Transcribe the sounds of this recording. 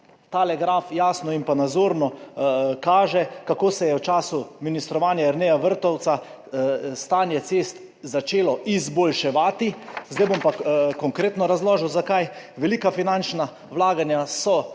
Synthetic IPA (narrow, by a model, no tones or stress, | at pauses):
t̪alɛɡɾaːfjaːsnɔimpanad̪zoːɾnɔkaːʒɛkakoːsɛjɛwt͡ʃaːsuminist̪ɾɔʋaːnjaiɾnɛjaʋəɾt̪ɔwt̪sa | st̪aːnjɛseːst̪ | zat͡ʃeːlɔʔizbɔlʃɛʋaːt̪izd̪ajbompakɔŋkɾeːt̪nɔɾazlɔːʒɛwzakajʋɛliːkafinant͡ʃna | wlaːɡanjasɔ